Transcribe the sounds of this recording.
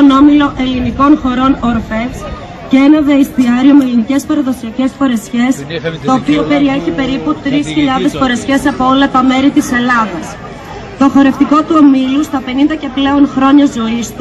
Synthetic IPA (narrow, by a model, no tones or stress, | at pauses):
ono̞milo̞ʔe̞liniko̞nxo̞ɾo̞noɾfe̞s | ceenɐðeist̪iɐɾio̞meelinice̞spɐɾɐðo̞siɐce̞sfo̞ɾe̞sçe̞st̪o̞ːpio̞pe̞ɾie̞çipe̞ɾiput̪ɾisçiʎɐðe̞sfo̞ɾe̞sçe̞sɐpo̞o̞lɐt̪ɐme̞ɾit̪ise̞lɐðɐs | t̪o̞xo̞ɾe̞ft̪iko̞t̪uomilust̪ɐpe̞nind̪ɐce̞ple̞o̞nxɾo̞ɲɐzo̞ist̪u